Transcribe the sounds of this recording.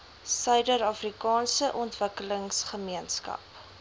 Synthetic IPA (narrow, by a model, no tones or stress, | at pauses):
sœɥdəɾɐfrikɑːnsəʔɔntvəkələŋsχəmiənskɐ̰p